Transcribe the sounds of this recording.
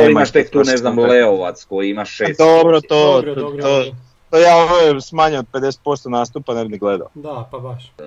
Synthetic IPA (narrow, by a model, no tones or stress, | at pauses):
imaʃt̪ek̚t̪uneznamlleoʋat̪skojiimaʃʃeːsd̪obɾot̪ot̪o | t̪ojaːoʋesmaɲeod̪̚pe̞d̪e̞se̥t̪̚po̞st̪onaːst̪upanebiniɡle̞d̪a̰o